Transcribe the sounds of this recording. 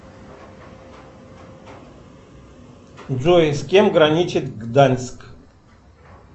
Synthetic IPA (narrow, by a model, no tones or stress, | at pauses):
d͡zujskʲʼɛmɡɾanʲit͡ʃit̪ɡd̪anʲsk